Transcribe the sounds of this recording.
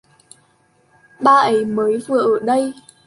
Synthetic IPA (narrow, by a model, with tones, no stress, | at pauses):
ɓaː˧˩ʔə˨˦jməː˨˦jvɨ˨˩˨əʔəː˧˩ɗə˧j